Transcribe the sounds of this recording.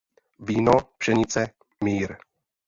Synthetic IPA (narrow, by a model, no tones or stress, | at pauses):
viːnopʃɛɲɪt͡sɛ | miːɾ